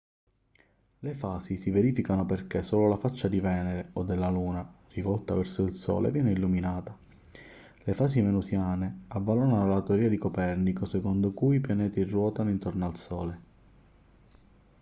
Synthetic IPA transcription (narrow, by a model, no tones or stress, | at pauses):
lefaːsisiveɾiːfikanoperkesoːlolafat͡ʃːad̪ivɛːneɾeod̪ːelːaluːnarivɔlt̪avɛrsoilsɔ̰ːlʔḛvjɛːneilːuminaːt̪a | lefaːs̬imenusjaːneavːalonanolat̪eoɾiːad̪ikopɛrnikosekond̪okuiipjanɛːt̪irwɔːt̪anoint̪ornalsɔːle